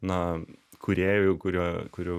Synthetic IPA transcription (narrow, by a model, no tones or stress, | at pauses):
nɐkʰʊɾʲeːjɛkʊɾʲuːkʊɾʲuː